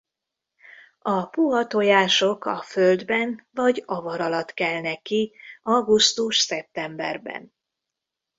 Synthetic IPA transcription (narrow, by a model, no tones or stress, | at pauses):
ɒpuɦɒt̪o̞jaːʃo̞kɒføld̪bɛnvɒɟɒvɒɾɒlɒt̪kɛlnɛkːiɒɡust̪uʃsɛp̚t̪ɛmbɛ̰rbɛ̰n